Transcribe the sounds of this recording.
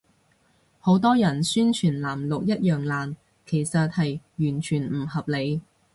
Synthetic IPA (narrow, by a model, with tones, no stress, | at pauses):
ho˨˥wt̪ɔː˥jɐ˨˩nsyː˥nt͡ʃʰyː˨˩nlaː˨˩mlʊ˨k̚jɐ˥t̚jœː˨ŋlaː˨n | kʰe˨˩jsɐ˨t̚hɐ˨jjyː˨˩nt͡ʃʰyː˨˩nm̩˨˩ɦɐ˨p̚le˨˧j